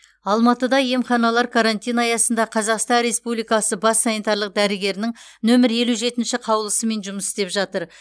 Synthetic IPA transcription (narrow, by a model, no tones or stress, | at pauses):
ɑlˠmɑt̪əd̪ɑje̞mχɑnɑlˠɑɾkʰaɾanʲt̪ʲijnɑjɑsənd̪ɑqʰɑzɑqst̪ɑnɾe̞spublijkɑsəbɑsːanit̪ɑɾlˠəq̚d̪æɾɪɡʲe̞ɾɪnɪŋ | nɵmɪɾje̞luʒe̞t̪ɪnʃɪqʰɑwlˠəsəme̞nʒʊməsɪ̥st̪e̞pʒɑt̪əɾ